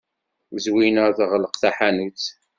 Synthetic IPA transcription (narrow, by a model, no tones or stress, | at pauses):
zwinəɾðʁləqθæħanut͡s